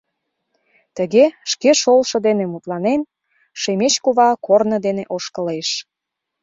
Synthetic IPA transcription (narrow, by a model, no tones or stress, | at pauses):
t̪əɣeʃkeʃolʃɤ̆d̪enemut̪lɑnen | ʃemet͡ɕkuβɑkornə̆d̪eneʔoʃkə̆leʃ